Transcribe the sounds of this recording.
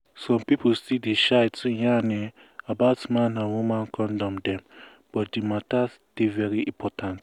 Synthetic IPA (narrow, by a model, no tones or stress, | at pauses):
sɔ̃mpipostideʃaɪtujãnɛ̃ | abaʊtmãnãnwumãnkʰɔ̃ndɔ̃mdɛ̃m | b̥ɔtdimatas | d̥evɛɹiĩmpʰɔtʰãnt